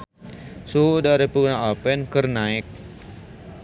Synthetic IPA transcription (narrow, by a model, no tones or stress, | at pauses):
suudaɾipənaapɛnkərnaɪk̚